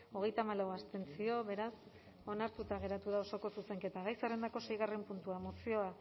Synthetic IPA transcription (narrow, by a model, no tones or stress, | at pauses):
o̞ɣ̞e̞jt̪aːmalawast̪e̞nt͡sio̞βe̞ɾas | o̞naɾt̪ut̪aɣe̞ɾat̪uð̞ao̞so̞ko̞suse̞ŋke̞t̪aɣ̞ajsere̞nd̪ako̞se̞jɣ̞are̞mpunt̪uaemosio̞a